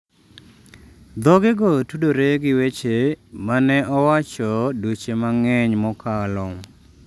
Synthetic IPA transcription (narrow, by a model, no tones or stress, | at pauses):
d̪ɔɡɪɡɔtudoɾeɡɪwet͡ʃemanɛʔɔwat͡ʃɔdot͡ʃemaŋɛɲmɔkalɔŋ